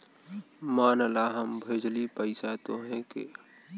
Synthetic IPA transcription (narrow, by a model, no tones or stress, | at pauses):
maːnəlaɦəmbʱeːd͡ʒlipəɪsat̪oɦɛ̃kḛ